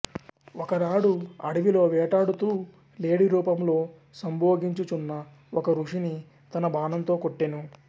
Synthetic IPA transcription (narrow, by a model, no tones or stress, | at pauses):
ɔkɐnaːɽuɐ̰ɽiʋilo̞ːʋɛːʈaːɽut̪uː | leːɽiɾuːpɐmlo̞ː | sɐmboːɡiɲt͡ʃut͡ʃunːɐ | ɔkɐɾuʂini | t̪ɐnɐbaːnɐnt̪o̞ːkoʈːeːnu